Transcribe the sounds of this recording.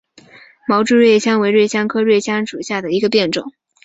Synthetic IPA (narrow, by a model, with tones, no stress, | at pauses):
mɑ˧˥ʊʈ͡ʂu˥˧ɻwe˥˩ɪɕjɑ˥ŋwe˧˥ɪɻwe˥˩ɪɕjɑ˥ŋkʰɤ˥ɻwe˥˩ɪɕjɑ˥ŋʂu˨˩ɕja˥˩d̪ə˩i˧˥ɡə˧pjɛ˥˩nʈ͡ʂʊ̰˨˩˦ŋ